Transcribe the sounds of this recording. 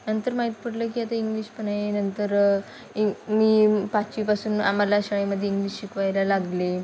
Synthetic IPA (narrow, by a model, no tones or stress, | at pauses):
nənt̪əɾmaɦit̪̚pəɽləːk̬iat̪aiŋɡliːɕpəɳaenənt̪əɾ | imiːpat͡ɕipasuːna̰malaɕəɭeməd̪ʱjeiŋɡliːɕɕikʋajlalaɡle